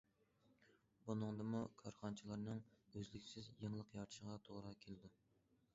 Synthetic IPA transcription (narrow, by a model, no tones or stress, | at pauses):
bunɨŋd̪ɨmukʰɑɾχɑnt͡ʃʰilˠɑɾnɨŋøzlɪkʲsɪzjəŋlˠəqjɑɾʃəʁɑt̪ʰoʁɾɑkʲʰelɪd̪u